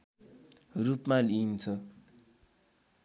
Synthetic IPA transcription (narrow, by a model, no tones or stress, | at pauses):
rupmalint͡sʰʌ